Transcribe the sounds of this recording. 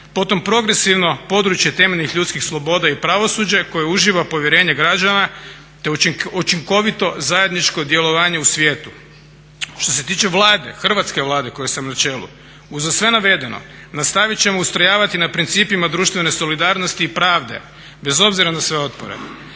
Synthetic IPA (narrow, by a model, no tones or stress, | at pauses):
po̞t̪o̞mpɾo̞ɡɾe̞siʋno̞po̞d̪ɾut͡ʃje̞t̪e̞meʎʲnixʎʲut̪skixslˠo̞bo̞d̪aipɾaʋo̞sud͡ʑeko̞jeuʒiʋapo̞ʋjeɾe̞ːɲeɡɾad͡ʒana | t̪e̞ut͡ʃiŋko̞ʋit̪o̞zaje̞d̪nit͡ʃko̞d̪je̞lo̞ʋaːɲe̞usʋjeːt̪u̥ | ʃt̪o̞se̞t̪iːt͡ʃe̞ʋlˠaːd̪e̞̰xr̩ʋat̪ske̞ʋlˠaːd̪e̞ko̞je̞samnat͡ʃe̞ːlˠṵ | uzasʋe̞naʋe̞d̪e̞no̞̰nast̪aʋit͡ɕt͡ʃe̞moust̪ɾajaːʋat̪inapɾint̪siːpimad̪ɾuːʃt̪ʋe̞ne̞so̞lid̪aːɾnost̪iːpɾaːʋd̪e̞̰ | be̞zo̞bziɾanasʋe̞o̞t̪po̰ɾḛ